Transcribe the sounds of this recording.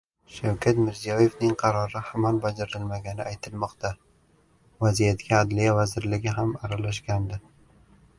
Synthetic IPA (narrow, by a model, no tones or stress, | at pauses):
ʃawkʲʰat̪mɪɾzijɒje̞vnɪŋqʰɑɾɒɾɪhamɒnbad͡ʒaɾɪlmaɡʲanɪajt̪ʰɪlmɒqt̪ʰa | vazijat̪ɡʲʰaːd̪lijavazɪɾlɪɡʲɪɦamaɾalaʃ̬ɡʲand̪ɪ